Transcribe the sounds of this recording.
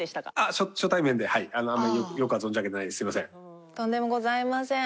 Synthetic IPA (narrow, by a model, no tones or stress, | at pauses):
d̪eɕi̥t̪akaaɕoɕot̪aimẽnd̪ehaianoãmːaɾʲijokɯjo̞kɯ̟azoɲ̟d͡ʑeaketenaid̪esɨimasẽ̞ŋ | t̪õnd̪e̞mo̞ɡo̞zaimasẽ